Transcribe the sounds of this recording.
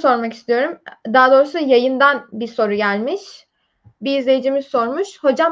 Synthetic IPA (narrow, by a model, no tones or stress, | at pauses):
so̞ɾmakist̪ʰijo̞ɾumd̪aad̪o̞ːɾusujajɯnd̪anbiso̞ɾuɟælʲmiʃ | biːzlʲe̞jid͡ʒimizso̞ɾmuʃho̞d͡ʒa